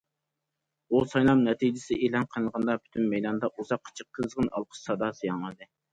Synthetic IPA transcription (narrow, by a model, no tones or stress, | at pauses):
usɑjlˠɑmnɛt̪ʰid͡ʒɪsɪ̰ʔeːlˠɑnqʰəlnˠəʁɑnd̪ɑpʰy̥t̪ʰynmɛjd̪ɑnd̪ɑʔuzɑqʰːə̥t͡ʃʰəq̚t̪ʰɨzʁɨnɑ̰lˠqʰə̥ʃsɑd̪ɑsɨjɑŋəd̪ɨ